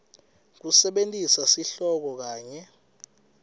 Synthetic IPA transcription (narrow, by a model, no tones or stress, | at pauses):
k̬usɛɓentʼisasiɬɔk̬ɔk̬aːɲɛ